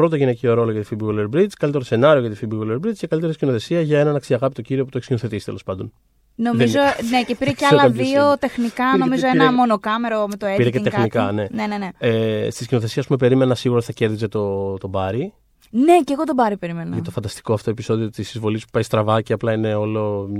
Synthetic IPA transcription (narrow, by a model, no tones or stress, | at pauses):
pɾot̪oʝinecioɾo̞loʝɐt̪ifibiɣuleɾbɾid͡zkɐlit̪eose̞nɐɾioʝɐt̪ifibiɣuleɾbɾid͡zcekɐlit̪eɾiiscinoθe̞siɐʝɐe̞nɐnɐksiɐɣɐpit̪o̞ciɾioput̪oeçscinoθet̪isi̥t̪e̞lo̞spɐnd̪o̞n | no̞mizonecepiɾeceɐlɐɐðiot̪e̞xnikɐno̞mizoenɐmo̞nokɐme̞ɾomet̪oepiɾeceŋt̪exnikɐne̞neneneest̪iscino̞θesiɐspumepe̞ɾime̞nɐsiɣuɾɐt̪iθɐce̞ɾðizet̪ot̪o̞bɐɾi | ne̞ceɣot̪obɐɾipe̞ɾime̞nɐʝɐt̪o̞fɐnd̪ɐst̪i̥koɐft̪o̞episo̞ðiot̪isizvo̞lispu̥pɐjst̪ɾɐvɐciɐplɐine̞o̞lo̞m